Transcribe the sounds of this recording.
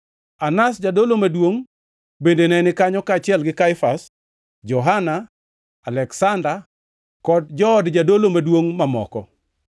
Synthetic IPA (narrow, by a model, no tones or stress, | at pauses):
anasd͡ʒadolomadwoŋ | bendenɛnɪkaɲɔkaːt͡ʃɪɛlɡɪkaɪfas | d͡ʒɔɦana | alɛksanda | kɔd̚d͡ʒɔːdd͡ʒadolomadwoŋmamɔ̰kɔ̰